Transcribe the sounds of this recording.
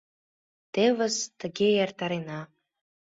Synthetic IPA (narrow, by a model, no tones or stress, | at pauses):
t̪evəzt̪ə̆ɡʲejɑrt̪ɑɾenɑ